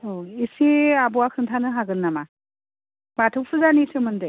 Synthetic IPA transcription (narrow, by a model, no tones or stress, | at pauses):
oisiabɔwakʰɯntʰanɯɦaɡɯnːama | batʰɯk̚sʰɯzanisɯmɯndɯj